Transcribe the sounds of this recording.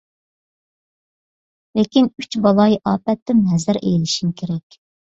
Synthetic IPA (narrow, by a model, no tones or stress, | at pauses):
lekʲinyt͡ʃbɑlˠɑjʔɑːpɛt̪ːɪmɦɛzɪɾʔḛjlɪʃimkʲʰeɾɛkʲ